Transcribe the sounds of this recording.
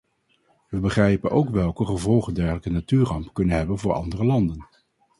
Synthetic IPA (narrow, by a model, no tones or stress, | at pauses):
ʋəbəχrɛjpənʔowkʋɛlˠkəχəvɔlˠχəndɛɹχələkənatyːrɑmpkɵnənɦɛbənvʊːɹɑ̰ndərəlɑndən